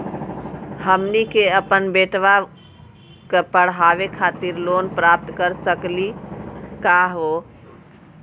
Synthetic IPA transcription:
həmnikeəpənbeʈʋa | kəpəɽ̤ɦaʋekʰat̪iɾlonpɾap̚t̪kəɾsəklikaɦo

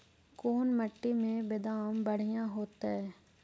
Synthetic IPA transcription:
koːnməʈːimẽbɪd̪aːmbɐɽ̤ijãɦoːt̪aɦɛː

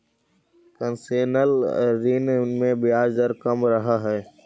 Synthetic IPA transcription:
kənseːnəlɾinmẽbɪjaːd͡ʒd̪əɾkɐmɾɐɦaɦɛː

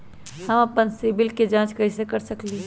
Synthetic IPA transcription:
hɐmɐpənseːbɪlked͡ʒãːt͡ʃkɐɦɪsekəɾsəkli

